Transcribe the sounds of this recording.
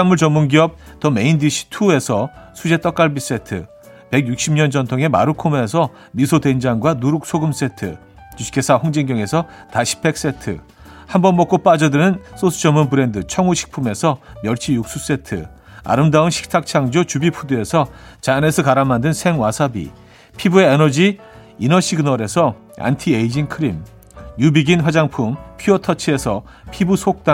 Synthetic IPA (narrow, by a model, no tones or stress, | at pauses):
amuɭt͡ɕʌmːunɡiʌp̚tʌme̞indiɕʰi̥tʰue̞sʰʌsʰud͡ʑe̞t͈ʌk͈aɭbis͈etʰɯ̰ | pe̞ɡjuk̚ɕ͈imɲʌnd͡ʑʌntʰoŋe̞ma̰ɾukʰomesʰʌ | misʰodwend͡ʑaŋɡwanuɾuk̚sʰoɡɯms͈e̞tʰɯ̰ | t͡ɕuɕi̥kʰe̞sʰahoŋd͡ʑiŋɡjʌŋe̞sʰʌtaɕʰi̥p͈ʰe̞k̚s͈e̞tʰɯ̰ | hambʌnmʌk͈op͈ad͡ʑʌdɯnɯns͈osʰɯ̥t͡ɕʌmːunbɯɾe̞ndɯt͡ɕʰʌŋuɕʰi̥k̚pʰume̞sʰʌmjʌɭt͡ɕʰijuk̚s͈us͈e̞tʰɯ̰ | a̰ɾɯmdaɯnɕʰi̥k̚tʰak̚t͡ɕʰaŋd͡ʑot͡ɕubipʰudoe̞sʰʌt͡ɕane̞sʰʌkaɾamːandɯnsʰe̞ŋwasʰabḭ | pʰibueenʌd͡ʑi | inʌɕʰiɡɯnʌɾe̞sʰʌ | a̰ntʰieid͡ʑinkʰɯɾim | jubiɡinɸwad͡ʑaŋpʰumpʰiʌtʰʌt͡ɕʰie̞sʰʌ | pʰibusʰok̚t͈a